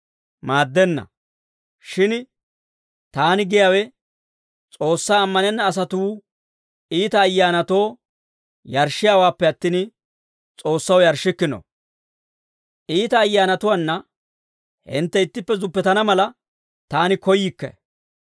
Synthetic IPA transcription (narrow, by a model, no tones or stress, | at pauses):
maːd̪ːɛnːɐ̰ | ʃɪn | t̪aːnɪɡɪjaːwɛ | t͡sʼo̞ːsːaːmːɐnɛnːɐːs̬ɐt̪uː | iːt̪ɐːjːaːnɐt̪o̞ː | jɐɾʃːɪjaːwaːpːɛɐt̪ːiːn | t͡sʼo̞ːsːɐwjɐɾʃɪkːɪno̰ | ʔiːt̪ɐːjːaːnɐt̪ʊwanːɐ | hɪ̰nt̪ːɛɪt̪ːɪpːɛzʊpːɛt̪ɐnɐmɐlɐ | t̪aːnɪkɔjːɪkːɐ̰